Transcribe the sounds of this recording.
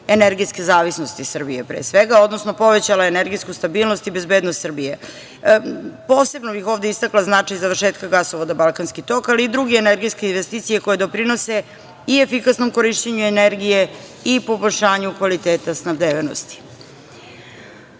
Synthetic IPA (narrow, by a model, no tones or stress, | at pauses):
eneɾɡiskezaːʋisno̞st̪isr̩bijepɾḛsʋeɡao̞d̪no̞sno̞po̞ʋet͡ɕalaeneɾɡijskust̪abiːlˠno̞st̪ibe̞zbeːd̪nost̪srbije | po̞ːse̞bnobixo̞ːvd̪e̞ist̪aklaznat͡ʂajzaʋər̩ʃeːt̪kaɡasoʋod̪abalˠkanskit̪o̞kaliːd̪ɾuɡeːneɾɡiskeinʋest̪iːt̪sije̞ko̞jed̪o̞pɾino̞se̞ | iefikasno̞mko̞ɾiʃt͡ɕeɲueneɾɡije̞ | ipo̞boʎʲʃaːɲukʋalit̪eːt̪asnabd̪eːʋeno̰st̪i̥